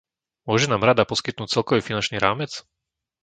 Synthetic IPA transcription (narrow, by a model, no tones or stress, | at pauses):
mʊɔʒɛnaːmɾad̪apɔskit̪̚nuːc̚t͡sɛlkɔʋifinant͡ʃniːɾaːmɛt͡s